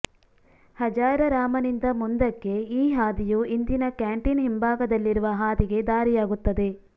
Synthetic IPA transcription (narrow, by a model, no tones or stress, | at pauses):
hɐd͡ʒaːɾɐɾaːmɐnind̪ɐmund̪ɐkːe̞iːɦaːd̪ijuind̪inɐkaːɳʈinɦimbʱaːɡɐd̪ɐlːiɾuʋɐɦaːd̪iɡe̞d̪aːɾijaːɡut̪ːɐd̪e̞